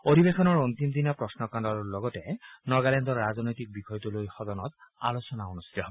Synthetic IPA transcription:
odibexɔnɔɹontimd̪inapɹɔsnɔkandɔɹɔlɔɡɔtɛnɔɹɡalɛndɔɹːazɔnojtik̚bixɔjtulojxɔdɔnɔta̰losɔnaunust̪i̥tɔɦob

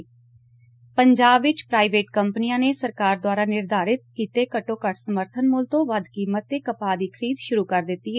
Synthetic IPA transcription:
pəɲd͡ʒaːbɪt͡ʃpɾaːiʋeːʈkəmpnijãːneːsəɾkaːɾd̪owaːɾaːnɪɾd̪ʱaːɾɪt̪̚kiːt̪eːkəʈõːkəʈʰsəməɾt̪ʰənmʊlt̪õːʋəd̪kiːmət̪ːeːkəpaːd̪iːkʰəɾiːd̪ʃʊɾuːkəɾd̪ɪt̪ːiːeː

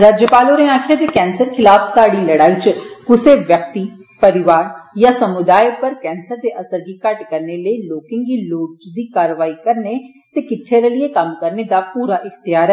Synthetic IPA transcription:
ɾaːd͡ʒjəpaːloːɾẽaːkʰɪjaːd͡ʒeːkɛːnsəɾkʰɪlaːpsaːɽiːləɽaːiːt͡ʃkʊseʋjək̚t̪iːpəɾɪʋaːɾjaːsəmʊd̪aːjpəɾkɛːnsəɾd̪eːʔəsəɾɡiːkəʈkəɾneləiloːkẽŋɡiːloːt͡ʃd̪iːkaːɾəʋaːikəɾne | t̪eːkɪʈʰːeɾeːlieːkəmkəɾned̪aːpuːɾaːʔɪxt̪ɪjaːɾɛ

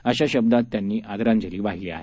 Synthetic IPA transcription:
əɕaɕəb̚d̪at̪ːjanːiːʔad̪ɾãnd͡ʑəɾiːbaɦilea̰ɦe

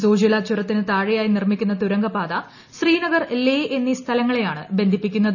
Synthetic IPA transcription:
soːd͡ʑilat͡ɕːuɾɐt̪ːinɨt̪aːɻijaːjinirmikʲːunːɐt̪uɾɐŋɡɐpaːd̪ɐ | ɕriːnɐɡɐrleːʔenːist̪ʰɐlɐŋːɐɭe̞jaːɳɨbe̞nd̪ʱipːikʲːunːɐð

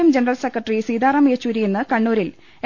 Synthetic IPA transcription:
ɐmd͡ʑenɐrɐlsekːrɐʈːrisiːd̪aːrɐmijɐt͡ɕːuɾijenːɨkɐɳːuːɾil

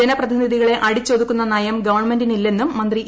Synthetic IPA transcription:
ɐnɐprɐd̪ʱiniðʱiɣɐɭe̞ʔɐɽit͡ɕːo̞ːd̪ikʲːunːɐnɐjɐmɡɐʋɐrɳme̞ndinilːe̞nːumːɐnd̪ri

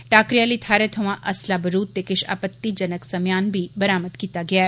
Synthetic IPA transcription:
ʈaːkɾijaːlit̪ʰaːɾet̪ʰoʋãʔɐslabəɾuːd̪̚t̪ekɪʃa̰ːpət̪ːid͡ʒɐnəksɐmjaːnbʱibɐɾaːməd̪kiːt̪aɡɪaː

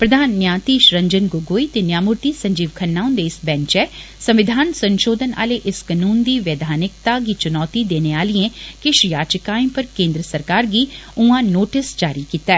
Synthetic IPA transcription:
pɾɐd̪ʱaːnːjaːt̪iʃɾɐ̃ɲd͡ʒənɡoːɡoːit̪enjaːmʊɾt̪isɐ̃ɲd͡ʒiːʋkʰɐnːaːʊ̃nd̪eɪsbɛ̃ɲt͡ʃɛ | sɐ̃mʋɪd̪ʱaːnsɐ̃nʃoːd̪ʱəna̰ːleʔɪskənuːnd̪iːʋeːd̪ʱaːnɪk̚t̪aɡit͡ʃʊnɔːt̪id̪eːneaːliẽkɪʃjaːt͡ʃəkaːĩpɐɾkẽːnd̪ɾəsɐɾkaːɾɡiʊ̃ãnoːʈɪsd͡ʒaːɾikiːt̪aɛ

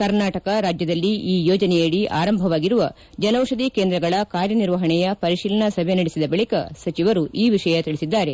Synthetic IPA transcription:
kɐɾnaːʈɐkɐɾaːd͡ʒjɐd̪ɐlːiʔiːjɔːd͡ʒɐnɛjeɽiʔa̰ːɾɐmbʱɐʋaːɡiɾuʋɐ | d͡ʒɐnɐwʂɐd̪ikeːnd̪ɾɐɡɐɭɐkaːɾjɐniɾʋɐɦɐɳɛjɐpɐɾiʃiːlɐnɐsɐbʱenɐɽisid̪ɐbɐɭikɐsɐt͡ʃiʋɐɾuʔiːʋiʂɐjɐt̪iɭisid̪ːaːɾe̞

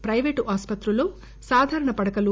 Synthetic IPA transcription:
pɾɐjʋeːʈaːspɐt̪ɾuloː | saːd̪ʱaːɾɐɳɐpɐɽɐkɐlu

